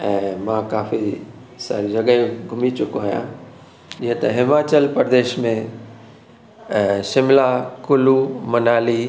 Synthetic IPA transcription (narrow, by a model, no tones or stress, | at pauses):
ɛ̃ːmãkaːfi | sa̰ːɾid͡ʒɐɡə̃ɡʱʊmit͡ɕʊkoajã̰ | iɦt̪ɐɦɪmaːt͡ɕəlpɾd̪eːʃmẽ | ʃɪmlakʊlumɐnaːli